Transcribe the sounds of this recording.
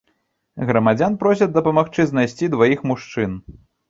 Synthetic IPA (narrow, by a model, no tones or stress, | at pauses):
ɣɾɐmad͡zʲanpɾɔs̬ʲɐd̪ɐpɐmaxt͡ʂɨznajsʲt͡sʲid̪vajixmuʂt͡ʂɨn